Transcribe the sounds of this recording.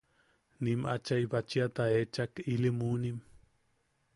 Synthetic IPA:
nimʔa̰t͡ʃajbat͡ʃiat̪aeːt͡ʃakilimunim

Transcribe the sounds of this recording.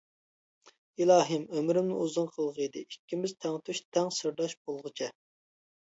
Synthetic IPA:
ilˠɑːɦɨmømɾɪmnɪuzɨnqʰəlˠʁid̪ɪikʲːimɪzt̪ʰɛŋt̪ʰyʃt̪ʰɛŋsɨɾd̪ɑʃb̥olˠʁət͡ʃʰɛ

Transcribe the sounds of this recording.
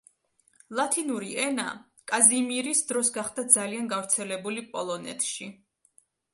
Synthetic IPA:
lˠat̪ʰinuɾiʔɛna̰ | kʼazimiɾisd̪ɾɔsɡaχd̪ad̪zalianɡafɾt̪sʰɛlɛbulipʼɔlˠɔnɛ̰t̪ʰʃi

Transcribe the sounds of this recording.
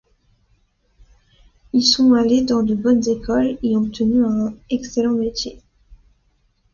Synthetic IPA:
ilsɔ̃aled̪ɑ̃d̪əbɔnzekʰɔleɔb̚t̪ʰənyɛ̃ɛkselɑ̃met̪je

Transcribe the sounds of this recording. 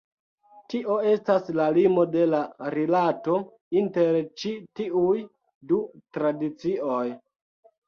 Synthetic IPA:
tiʔo̞e̞staslalimo̞de̞laɾilato̞ | inte̞ɾt͡ʃitiuj | dutɾadit͡siʔo̞j

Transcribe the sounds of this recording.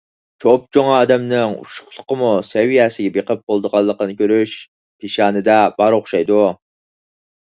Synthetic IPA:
t͡ʃʰop̚t͡ʃʰoŋɑːd̪ɛmnɪŋṵʃʊ̥χlˠʊ̥qəmusɛwijɛsɪɡʲɛbeqəp̚qolˠd̪əʁɑlˠːəqənɨkʲʰøɾyʃ | pʰeʃɑːnɨd̪ɛbɑɾoχʃɑjd̪u

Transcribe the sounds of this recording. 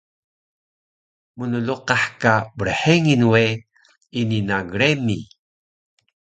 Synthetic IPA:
munəluqaħkabəɾəħeŋinwe | ininaɡɾemi

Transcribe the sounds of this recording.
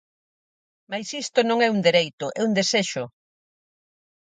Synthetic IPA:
majsist̪onõŋɛund̪eɾejt̪ʊʔɛund̪eseʃʊ

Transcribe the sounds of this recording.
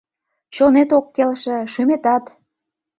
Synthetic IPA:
t͡ɕonet̪okːelʃĕʃymet̪ɑt̪

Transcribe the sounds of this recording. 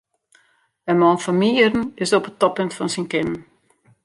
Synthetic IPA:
ənmɔnfɔmiərn̩ɪsopətɔpøntfɔnsinkɪnn

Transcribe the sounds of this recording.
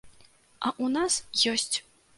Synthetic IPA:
ɐʔunasjɔsʲt͡sʲ

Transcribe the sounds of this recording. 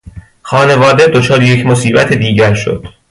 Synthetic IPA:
xɒːne̞vɒːd̪e̞d̪o̞t͡ʃʰɒːɾejecʰmosiːbæt̪ʰed̪iːɟæɾʃo̰d̪̥

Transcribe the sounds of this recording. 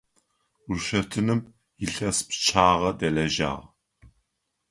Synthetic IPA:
ʊrʃɐtʰɨnɨm | jɪɬɐspt͡ʃʰaːʁɐdɐlɐʒa̰ːʁ

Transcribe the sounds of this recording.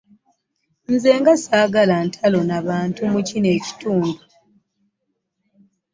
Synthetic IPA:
n̩ze̞ːŋɡasaːɡalantʰalo̞naβaːntumucine̞ːci̥tuːndu

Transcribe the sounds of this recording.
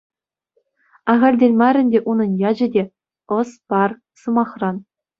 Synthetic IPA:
ɑʁɑrʲdʲelʲmɑɾʲɘ̆nʲdʲeʔunɤ̆njɑd͡ʑɘ̆dʲe | ɤ̆spɑr | sɤ̆mɑχrɑn

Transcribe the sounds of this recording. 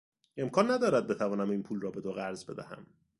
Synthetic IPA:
e̞mkʰɒːnːæd̪ɒːɾæd̪̚be̞t̪ʰævɒːnæmiːnpʰuːlrɒːbe̞d̪oɣæɾzbe̞d̪æhæ̰m

